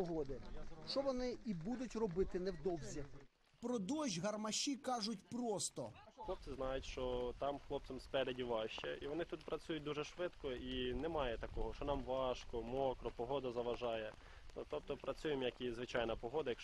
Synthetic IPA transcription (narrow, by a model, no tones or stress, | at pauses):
ɔɦɔd̪ɪʃt͡ʃɔʋɔnɪibud̪ʊtʲrɔbɪt̪ɪnɛwd̪ɔwzʲi | pɾɔd̪ɔʒʲɦɐrmɐʃʲikɑʒʊtʲpɾɔst̪ɔxlˠɔp̚t͡s̪ɪznɑjʊtʲʃt͡ʃɔt̪ɑmxlˠɔp̪̚sɛmspɛɾedʲiʋɑʃt͡ʃɛiʋɔnɪt̪ut̪pɾɐt͡sʲujʊt̚ʲd̪uʒɛʃʋɪd̪kɔinɛmɑjɛt̪ɐkɔɦɔʃt͡ʃɔnɑmʋɑʃkɔmɔkɾɔpɔɦɔd̪ɐzɐʋɐʒɑjɛ | t̪ɔp̚t̪ɔpɾɐt͡sʲujɪmjɐkizʋɪt͡ʃɑjnɐpɔɦɔd̪ɐjɐk